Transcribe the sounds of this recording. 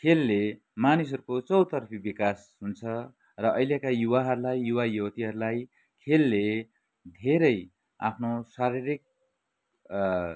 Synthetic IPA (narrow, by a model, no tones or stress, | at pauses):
kʰelːe | manis̬ʌɾukot͡sʌwt̪ʌrpʰibikas | ɦunt͡sʰʌ | rʌʔʌjljekajuwaɦʌɾulajjuwajowt̪iɦʌɾulaj | kʰelːe | d̪ʱeɾʌj | a̰pʰnosaɾiɾik̚